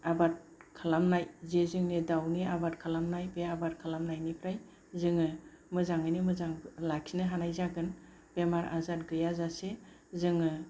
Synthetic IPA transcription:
abat̚ | kʰalamnajzezɯŋnidawniabat̚kʰalamnajbeabaɾ̚kʰalamnajnipʰɾaj | zɯŋɯ | mɯzaŋɯjnimɯzaŋlaksinɯɦanajzaɡɯn | b̥emaɾʔa̰zat̚ɡɯjazase | zɯŋɯ

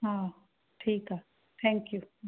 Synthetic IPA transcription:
ɦã | ʈʰiːka | t̪ʰɛ̃ːŋkju

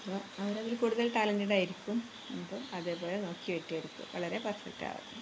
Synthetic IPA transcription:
pːoːɐʋɐɾɐðilkuːɽuðɐlʈaːlɐndiɽaːjiɾikʲːum | emboːɐðe̞ːpo̞ːle̞no̞ːkːiʋeʈːiɐɾukːṵʋɐ̰ɭɐɾe̞pɐsɐ̰ʈːa̰ːʋɐ̰ðːu

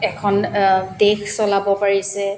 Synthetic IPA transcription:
ɛkʰɔndekʰsɔlabɔpaɹisɛ

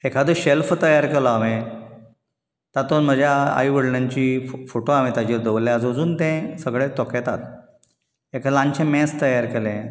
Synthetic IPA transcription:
ekʰad̪əɕelft̪əjaɾkelɔame | t̪at̪onm̤əd͡ʑʱjaa̰iʋəɽɳaɲt͡ɕiːfoʈoam̤it̪ad͡ʑiːɾd̪əʋlːẽəd͡zəd͡zuːnt̪ɛ̃səɡɭet̪ɔkɛt̪at̪ | ekʰalãɲt͡ɕẽmɛ̃st̪əjaɾkelẽ

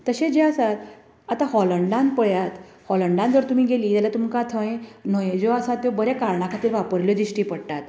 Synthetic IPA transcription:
t̪əɕed͡ʑeasat̪ | at̪aɦɔləɳɖãnpəɭjat̪ | hɔləɳɖãnd̪ʋəɾt̪um̤iːɡeliːt̪alat̪umkat̪ʰə̃jẽnɔjed͡ʑoasat̪ːjobəɾakaɾɳakʰat̪iːɾʋapəɾljɔd̪iɕʈiːpəɽʈ̪at̪

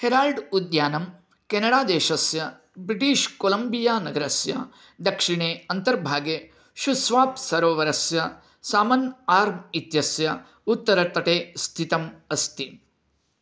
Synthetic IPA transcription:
heɾaːlɖud̪jaːnɐm | kenɐɽaːd̪eːʃɐsjɐ | bɾiʈiːʃkoːlɐmbijaːnɐɡɐɾɐsjɐ̰ | d̪ɐkʂiɳeːɐnt̪ɐɾbʱaːɡje | ʃusʋaːpsɐɾʋɐʋɐɾɐsjɐ | saːmɐnaːɾmit̪jɐsjɐ | ut̪ːɐɾɐt̪ɐʈeːst̪ʰit̪ɐmɐst̪i

